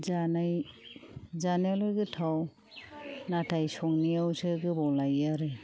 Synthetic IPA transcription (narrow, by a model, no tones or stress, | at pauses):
zanaj | zanajlojɡɯtʰaw | natʰajsɔŋnijawsɯɡɯbɔwlajaɾɯ